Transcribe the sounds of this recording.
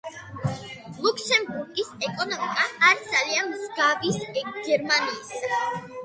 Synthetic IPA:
lˠuksɛmbuɾɡʼisɛkʼɔnɔmikʼaːɾd̪zalianmzɡavisɡ̥ɛɾmaniːs

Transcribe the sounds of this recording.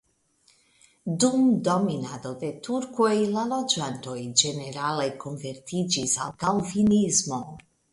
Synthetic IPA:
d̪umd̪ɔminad̪od̪et̪uɾkʰojlalɔd͡ʒant̪ojd͡ʒeneɾalekʰonvert̪ʰid͡ʒiza̰lɡalvinizmo

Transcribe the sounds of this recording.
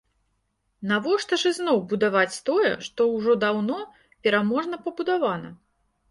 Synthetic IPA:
navɔʂt̪ɐʐɨznɔwbud̪avat͡sʲt̪ɔjɛ̰ʂt̪ɔwʐɔd̪awnɔ | pʲɛɾamɔʐnɐpɐbud̪avanɐ̰

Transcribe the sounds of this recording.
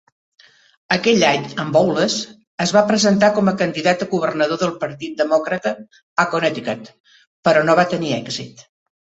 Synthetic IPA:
əkɛʎaɲəmbɔwləz | əzβapɾəzənt̪akɔməkənd̪iðat̪əɣuβ̞ərnəð̞oðəlˠpəɾt̪it̪̚d̪əmɔkɾət̪əː | konɛt̪ikət̪ | pəɾɔnoβat̪əniɛɡzit̪

